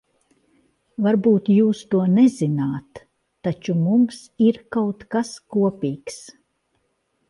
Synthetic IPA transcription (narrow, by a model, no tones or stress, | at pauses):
vaɾbuːt̪juːst̪uɔnɛzinaːt̪ː | at͡ʃumumsiɾkawt̪kaskuɔpʲiːks